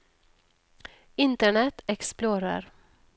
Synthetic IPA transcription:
ɪnt̪əɳɛt̪ɛksploːɾə̰ɾ

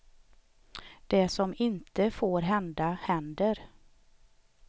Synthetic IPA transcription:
d̪̥ɛsɔmɪnt̪əfoːɾɦɛnd̪ahɛnd̪əɾ

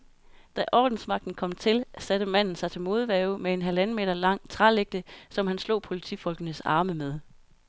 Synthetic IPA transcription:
d̥æʔɒ̰ːd̥n̩smɑ̈ɡ̥̚d̥n̩kʰɒ̽m̰t͡sʰe̝lsæɾ̥əmæn̰n̩sɑ̈ɪt͡sʰe̝lmo̝ːð̞ˠʋɛːʊmee̝nɦælænəme̝̰ːdɐlɑ̈ŋ̰t͡sʰʁɑleɡ̥̚d̥əsɒ̽mhænslɔ̰̽ːpʰo̝lit͡sʰḭfɒ̽lɡ̥ənəsɑ̈ːməmeð̞ˠ

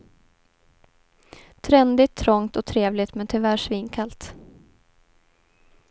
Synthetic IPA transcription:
t̪ʰɾɛnd̪ɪt̪ʰːɾɔŋt̪ɔt̪ʰɾeːvlɪt̪mɛnt̪ʰʏvæːʂvɪŋkʰalt̪

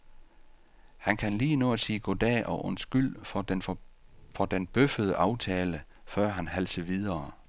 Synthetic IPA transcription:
hænkʰænliːnoæsiːɡ̥od̥ɛ̰ːʔɒʔɔnsɡ̥yl̰ | fɒ̽d̥enb̥øfəð̞ˠəʔɑ̈ʊt͡sʰɛːlə | fɶɐ̰ɦænɦælsəʋið̞ˠɐː

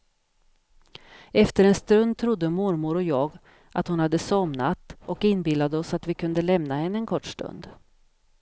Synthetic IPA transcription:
ɛft̪əɾɛnst̪ɾɵnd̪̚t̪ʰɾʊd̪ːəmʊɾmʊɾɔjɑːɡ | ʔat̪hʊnhad̪ːəsɔmnat̪ɔkɪnbɪlːad̪əɔsat̪vɪkʰɵnd̪əlɛmnahɛnːəɛnkʰɔʈːʂʈ̪ɵ̰nd̪

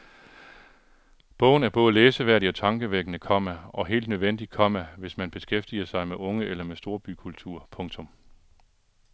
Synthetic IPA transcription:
b̥ɔ̽ʊ̰n̩æɐb̥ɔ̽ːðˠəleːsəʋæɐɾ̥iɒ̽t͡sʰɑ̈ŋɡ̥əʋeɡ̥ənəkʰɒ̽m̰æɒ̽ɦe̝̰ːld̥nøðˠʋen̰d̥i̥kʰɒ̽m̰æʋe̝smænb̥e̝sɡ̥efd̥iɐsɑ̈ɪmeʔɔ̽ŋəʔelɐmesd̥o̝ːɐb̥ykʰult͡sʰuɐ̰pʰɔ̽ŋt͡sʰɔ̽m

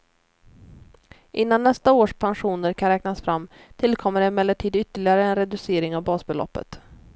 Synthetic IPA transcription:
ʔɪnːanːɛst̪aoːʂpʰanɧuːnəɾkʰanɾɛːknasfɾamː | t̪ʰɪlkʰɔmːəɖɛmɛlːəʈʰiːd̪ʏt̪ːəɭɪɡaɾəɛnɾɛd̪ɵseːɾɪŋavbɑːsbɛlɔ̰pːə̰t̪

